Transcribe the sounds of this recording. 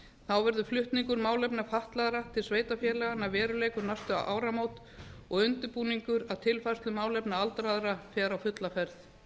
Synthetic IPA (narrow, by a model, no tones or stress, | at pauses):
θawvɛɾðʏflʏht̪niŋkʏɾmaːwlɛpnafaht̪laðɾat̪ʰɪlsveːjt̪afjɛːɾlɛɣanavɛːɾʏleːjkʏɾnast̪ʏa̰wʔa̰ːwɾamoːwt̪ | ɔɣʏnt̪ʏɾpuːniŋkʏɾaðt̪ʰɪlfast̪lʏmaːwlɛpnaalt̪ɾaðɾafɛːɾawfʏt̪lafɛɾθ